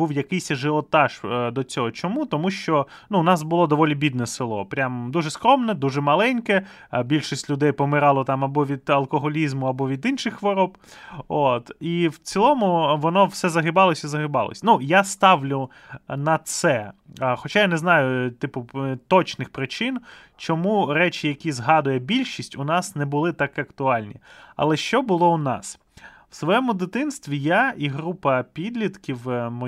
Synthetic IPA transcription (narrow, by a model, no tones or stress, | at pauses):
buwjɐkɪjsʲɐʒɪɔt̪ɑʃd̪ɔt͡sʲɔɦɔt͡ʃɔmut̪ɔmuʃt͡ʃɔ | nuʊnɑsbʊlˠɔd̪ɔʋɔlʲibʲid̪̚nɛsɪlˠɔ̰pɾʲamd̪uʒɛskɾɔmnɛd̪uʒɛmɐlˠɛnʲkɛ | bʲilʲʃisʲtʲlʲʊd̪ɛjpɔmɪɾɑlˠɔt̪ɑmɐbɔʋʲid̪ɐlˠkɔɦɔlʲizmʊɐbɔʋʲid̪inʃɪxʋɔɾɔb | ot̪iwt͡sʲilˠɔmʊʋɔnɔwsɛzɐɦɪbɑlˠɔsʲizɐɦɪbɑlˠɔ̰sʲnujast̪ɑwlʲʊ | nɐt̪sɛxɔt͡ʃajanɛznɑjʊt̪ɪpʊt̪ɔt͡ʃnɪxpɾɪt͡ʃɪn | t͡ʃɔmuɾɛt͡ʃɪjɐkʲizɦɑd̪ʊjɛbʲilʲʃisʲtʲʊnɑsnɛbʊlˠɪt̪ɑkɪɐkt̪ʊɑlʲnʲḭɐ̰lˠɛʃt͡ʃɔbʊlˠɔʊnɑ̰s | w̥sʋɔjɛmʊd̪ɪt̪ɪnst̪ʋʲijaiɦɾupɐpʲid̪ʲlʲit̪kʲiwmɔ